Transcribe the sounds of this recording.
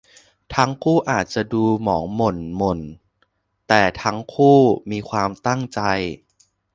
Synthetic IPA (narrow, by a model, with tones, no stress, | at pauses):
t̪ʰa˦˥ŋkʰuː˥˩ʔaː˨˩t̪̚t͡ɕa˨˩duː˧mɔː˩˦ŋmo˨˩nmo˨˩n | t̪ɛː˨˩t̪ʰa˦˥ŋkʰuː˥˩miː˧kʰwaː˧mt̪a˥˩ŋt͡ɕa˧j